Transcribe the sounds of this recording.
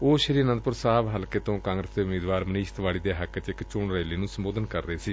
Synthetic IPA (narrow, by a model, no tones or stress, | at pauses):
oːʃəɾiːɾnənd̪̚pʊɾsaːʋɦəlkeːt̪õːkãːŋɡɾəsd̪eːʊmeːd̪ʋaːɾməniːʃət̪ʋaːɽiːd̪eːɦəkt͡ʃɪkt͡ʃʊɳɾəːliːnũːsəmboːd̪ənkəɾːəeːsiː